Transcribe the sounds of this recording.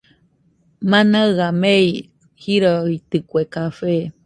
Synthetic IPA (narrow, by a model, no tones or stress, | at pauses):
mãnaɣamei | hiɾoit̪ɨkʷekafe